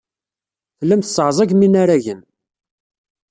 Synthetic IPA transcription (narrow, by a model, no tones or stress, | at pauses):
θəlːəmθəsˤːʕzˤæʝminaɾaʝən